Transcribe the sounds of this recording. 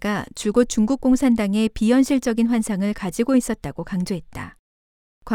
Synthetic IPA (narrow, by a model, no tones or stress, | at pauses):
ɡat͡ɕuɭɡot̚t͡ɕ͈uŋɡuk̚k͈oŋsʰandaŋe̞pijʌnɕʰiɭt͡ɕ͈ʌɡinɸwansʰaŋɯɭkad͡ʑiɡois͈ʌt̚t͈aɡokaŋd͡ʑoɦe̞t̚t͈a̰ | kwa